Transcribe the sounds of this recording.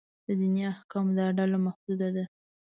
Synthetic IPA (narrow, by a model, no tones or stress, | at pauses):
d̪̥əd̪injɑahkɑmd̪əaɖalamahd̪ud̪ad̪a